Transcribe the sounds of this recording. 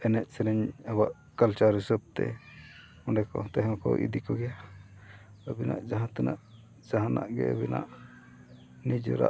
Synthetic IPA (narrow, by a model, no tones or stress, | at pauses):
ɛnɛʔ̪̚sɛɾɛɲɛwaʔ | kalt͡ʃaɾisəb̚t̪ɛ | ɔɳɖɛkɔt̪ɛɦɔ̃kɔʔḭd̪ikɔɡɛja | əbina̰ʔd͡ʒaɦãt̪ɛnaʔ | d͡ʒaɦãnaʔɡɛ̰əbina̰ʔ | nid͡ʒəɾa̰ʔ